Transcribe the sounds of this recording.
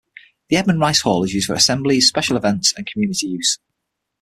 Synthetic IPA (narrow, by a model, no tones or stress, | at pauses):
ðiɛd̚mə̃nɹaɪshɔːlɪzjʉːzd̥fə̰ɹəsɛ̃mblɪz̥spɛʃəlɪvɛ̃ntsə̃nkʰəmjʉːnɪtijʉːˑz̥